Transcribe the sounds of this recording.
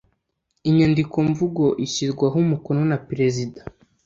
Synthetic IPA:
iɲandiko̞ɱvuɡo̞ʔiçizɡwaɦumuko̞no̞napiɾe̞zida

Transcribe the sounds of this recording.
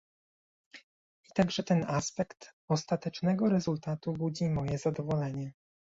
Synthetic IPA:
it̪aɡʐɛt̪ɛnaspɛkt̪ɔst̪at̪ɛt͡ʂnɛɡɔɾɛzult̪at̪ubud͡ʑimɔjɛzad̪ɔvɔlɛɲɛ

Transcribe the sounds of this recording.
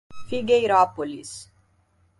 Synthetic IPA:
fiɡejɾɔpolis

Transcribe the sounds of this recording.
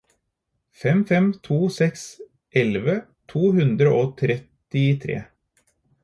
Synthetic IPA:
fɛmfɛmt̪ʰuːsɛks | ʔɛlʋət̪ʰuːhʉnd̪ɾəʔoːt̪ʰɾɛt̪ɪt̪ʰɾḛː

